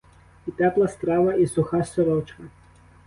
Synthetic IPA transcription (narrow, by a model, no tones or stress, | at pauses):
it̪ɛplˠɐst̪ɾɑʋɐʔisʊxɑsɔɾɔt͡ʃkɐ